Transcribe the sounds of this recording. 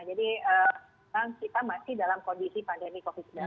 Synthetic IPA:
ad͡ʒadiəː | aŋkit̪amasɪhdalamkondisipandemikofɪd̪̚sda

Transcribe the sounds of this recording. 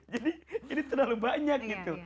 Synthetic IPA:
d͡ʒadiinit̪ərlalubaɲak̚ɡit̪u

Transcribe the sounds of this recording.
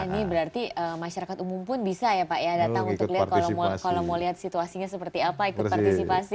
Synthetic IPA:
anibəɾart̪iəmaʃaɾakat̪umumpʊnbisajapajadat̪aŋunt̪kliɦat̪̚kalakalomoliɦat̪̚sit̪uasiɲasəpərt̪iapaikʊtrpart̪isipasi

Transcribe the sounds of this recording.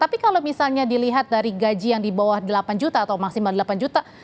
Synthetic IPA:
t̪apikalomisalɲadiliɦat̪̚daɾiɡad͡ʒijaŋdibawahdəlapand͡ʒut̪aːt̪awmaksimaldəlapand͡ʒut̪a

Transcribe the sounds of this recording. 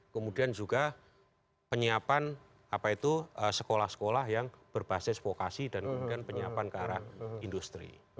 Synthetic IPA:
kəmudiand͡ʒuɡa | pəɲiapan | apait̪uəsə̥kolahsə̥kolahjaŋb̥ərb̥asɪsfokasidankəmudianpəɲiapankəaɾahindust̪ɾḭ

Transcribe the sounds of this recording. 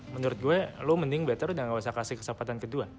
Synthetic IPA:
mənuɾʊt̪̚ɡuɛluməndɪŋbɛt̪əɾudaŋawas̬akasɪkə̥səmpat̪ankədua

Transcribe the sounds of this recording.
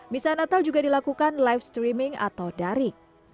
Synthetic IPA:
misanat̪ald͡ʒuɡadilakukanlajfst̪ɾimɪŋa̰t̪awdaɾɪk̚

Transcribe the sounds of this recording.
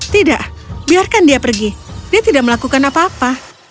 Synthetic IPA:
t̪idaʔbiarkandiapərɡidiat̪idaʔ̚məlakukanapaːpa

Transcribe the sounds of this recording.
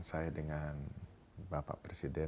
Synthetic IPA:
ŋsajadəŋan | bapa̰ʔpɾesidɛ

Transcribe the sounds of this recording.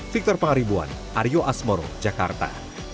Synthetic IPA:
fik̚t̪ɔrpaŋaɾibua̰n | ʔaɾjoʔasmɔɾo̰d͡ʒakart̪a̰

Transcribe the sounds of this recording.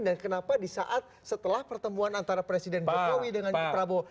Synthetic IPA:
dankənapadisa̰ʔat̪̚sət̪əlahpərt̪əmuanant̪aɾapɾesidɛnd͡ʒokowidəŋanɔpɾabo

